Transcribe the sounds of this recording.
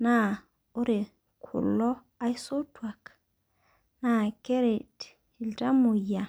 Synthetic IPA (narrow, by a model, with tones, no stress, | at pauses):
na˦˨ | o˦ɾe˨ | kʰṵ˨lːɔ˦ | a˦jso˦twa˨k | na˦˨ke˦ɾe˨t | i˨lta˦mo˨ja˨